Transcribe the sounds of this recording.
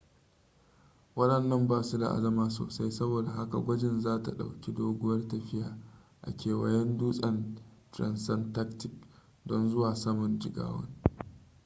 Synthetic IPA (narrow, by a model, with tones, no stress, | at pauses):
wɐ˦ɗɐ˨nːɐ˦mbaː˨su˦da̰˨ʔa̰˨dɐ˦maː˨so̰ː˨sa˦jsɐ˦boː˨da˨ha˦ka̰˨ɡʷɐ˦d͡ʒɪ˨nzaː˦ta˨ɗa̰˨wkʲi˦doː˦ɡʷʊ˦wɐ˦rtɐ˨ɸɪ˦jaː˨ | ʔa̰˨kʲeː˨wɐ˨jɛ˦nduː˦sʼɐ˨ntɾɐ̰˨nsɐ˦nta˦ktɪ˨k̚ | dɔ˦nzʊ˦waː˨sɐ˦mʊ˨nd͡ʒɪ˨ɡa̰ː˦wɐ̰˦n